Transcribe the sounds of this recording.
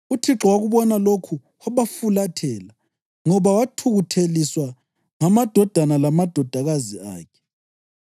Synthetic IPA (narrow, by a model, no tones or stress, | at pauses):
utʰiǁɔwaɣuβɔnalokʰu | waβafulatʰɛːla | ŋɔβawatʰuɣutʰeliswa | ŋamad̥ʱɔd̥ʱanalamad̥ʱɔd̥ʱaɣazia̰ːkʰɛ̥